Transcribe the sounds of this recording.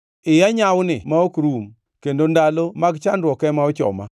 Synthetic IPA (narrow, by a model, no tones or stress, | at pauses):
ɪjaɲawnɪmaokɾum | kendondalomaɡt͡ʃandɾwɔkɛmaɔt͡ʃɔ̰ma̰